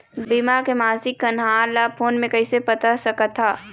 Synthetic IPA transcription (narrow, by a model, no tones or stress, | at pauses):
bimakemaːsɪkːɐnɦaːɾlaːpʰoːnmẽkɐisepɐt̪asɐkət̪ʰːaː